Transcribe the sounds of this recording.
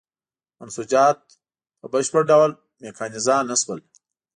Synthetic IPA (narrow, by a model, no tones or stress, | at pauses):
ansud͡ʒɑːt̪̚ | pəbəʃpəɽɖawl | mekʰɑːnizanaswəl